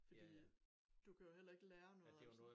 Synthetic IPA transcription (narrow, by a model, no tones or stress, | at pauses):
fɒd̥ḭː | d̥ukʰæjo̝ɦel̰ɐe̝ɡ̥əleːɐnɔ̽ð̩ˠ